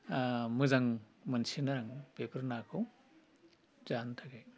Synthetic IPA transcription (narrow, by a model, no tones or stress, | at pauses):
mɯzaŋmɐnsinaɾaŋpepʰɐɾnakʰɯw | zantʰaɡaj